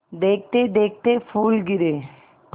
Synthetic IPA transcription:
d̪eːk̚ʰt̪ed̪eːk̚t̪efʰuːlɡɪɾe

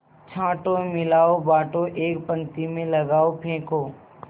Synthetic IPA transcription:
t͡ʃʰãːʈomɪlaːobaːʈoʔeːkpə̃ŋt̪imẽləɡaːopʰẽːkoː

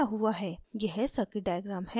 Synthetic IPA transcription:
aɦuaɦɛːjɛɦsɐkiɖaːjəɡɾaːmhɛ

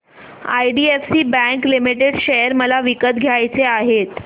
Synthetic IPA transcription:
a̰jɖiefsiːbæ̃ŋklimiʈeɽɕejəɾməlaʋikət̪ɡʱjajt͡seaɦet̪

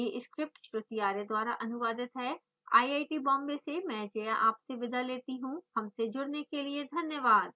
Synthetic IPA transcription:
jeʔɪskɾɪp̚ʈʃɾʊt̪iaːɾed̪waːɾaʔɐnʊʋaːd̪ɪt̪ɦɛː | a̰ːiaːiʈibɔ̃ːmbesemɛ̃ːd͡ʒeːjaʔaːpseʋɪd̪ʱaleːt̪iɦũhɐmsed͡ʒʊɽnekelied̪ʱɐnjəʋaːd̪̚

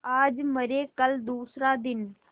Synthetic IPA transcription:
aːd͡zməɾekəld̪uːsɾad̪ɪn

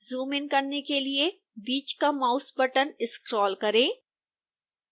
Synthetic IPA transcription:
zuːmɪ̃nkɐɾnekelie | biːt͡ʃkamaːʊsbəʈənɪskɾɔːlkɐɾẽː

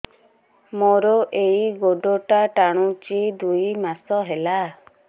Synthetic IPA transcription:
mɔɾɔʔejɡoɖɔʈaʈaɽ̃ut͡ʃid̪ujmasɔɦela

